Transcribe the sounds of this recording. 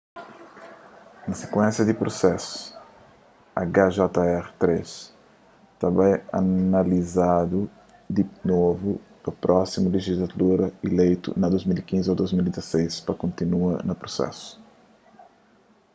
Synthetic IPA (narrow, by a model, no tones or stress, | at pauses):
nɐse̥kwɛ̃nsjɐd̪ipɾosɛsu̥ | ɐɡaʒɔt̪ɐɛʁt̪ɾes | t̪abãjanalizad̪u | d̪inovupɐpɾʔɔsimuleʒizlat̪uɾɐelejt̪ṵnɐd̪ozmilikĩnziod̪ojzmild̪izasejspɐkõnt̪inuɐnɐpɾosɛ̰sʊ̥